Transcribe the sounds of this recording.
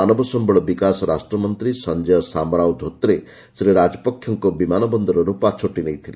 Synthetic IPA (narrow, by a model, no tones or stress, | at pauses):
anɔbɔsɔmbɔɭɔbikasɔɾasʈɾɔmɔnt̪ɾisɔnd͡ʒejɔsamɾawd̪ʱot̪ɾe | sɾeɾad͡ʒɔpɔkʰːjɔŋkɔbimanɔbɔnd̪ɔɾɔɾupɔat͡ʃʰoʈinejt̪ʰile